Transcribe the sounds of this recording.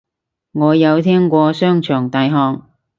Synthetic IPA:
ŋɔː˨˧jɐ˨˧wt̪ʰɛː˥ŋkʷɔː˧sœː˥ŋt͡ʃʰœː˨˩ŋt̪aː˨˧jɦɔː˧ŋ

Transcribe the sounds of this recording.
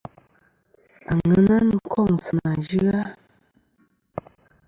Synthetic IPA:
a̰˨ŋə˨˦na˦n˦˨kʰɔ˦˨ŋ˨sɨ˨na˨d͡ʒi˦ɣa˦

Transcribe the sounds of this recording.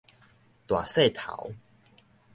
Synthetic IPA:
t̪wa˨˩se˥˧˨t̪ʰa̰˨˩˦w

